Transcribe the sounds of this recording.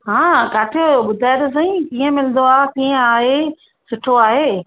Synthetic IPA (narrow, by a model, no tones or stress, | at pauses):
ɦãːkaːʈʰɪjoɓʊd̪ʱaːɪt̪os̬ãĩkiːə̃mɪlə̃nd̪oaːkiːɦə̃aːɦe | sʊʈʰoaːɦeː